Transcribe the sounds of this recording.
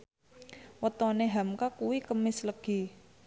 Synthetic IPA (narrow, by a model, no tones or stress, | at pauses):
wət̪ɔneɦamkakuwikəmɪsləɡ̥i̤